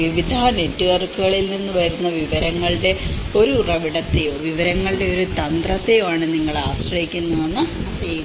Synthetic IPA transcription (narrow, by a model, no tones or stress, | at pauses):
iʋid̪ʱane̞tːuʋɐrkːuɣɐɭilninːuʋɐjɾunːɐʋiʋɐɾɐŋːɐɭɨɽe̞ | o̞ɾurɐʋiɽɐt̪ːejʋiʋɐɾɐŋːɐɭɨɖe̞o̞ɾut̪ɐnd̪rɐt̪ːejumaːɳɨniŋːɐɭaːɕrɐjikʲːunːɐðenːɐɐt̪e